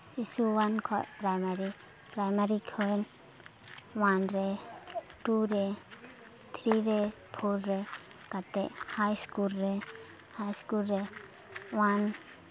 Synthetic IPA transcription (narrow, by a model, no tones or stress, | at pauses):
sisuwankʰɔ̰ʔpɾajmaɾi | pɾajmaɾikʰɯn | wanɾe | ʈuɾe | t̪ʰɾiɾepʰulɾɛ | kat̪ɛʔhajskulɾe | hajskulɾe | wan